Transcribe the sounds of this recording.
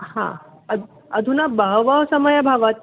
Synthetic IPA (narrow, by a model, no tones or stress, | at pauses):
hã̰ | ə | əd̪ʱunabəɦʋəɦsəməjabʱaʋat̪